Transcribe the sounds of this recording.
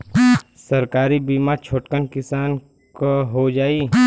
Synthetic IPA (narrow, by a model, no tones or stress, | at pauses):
səɾkaːɾibiːmaːɾt͡ʃʰoːʈkənkɪsaːn | koɦod͡ʒaːiː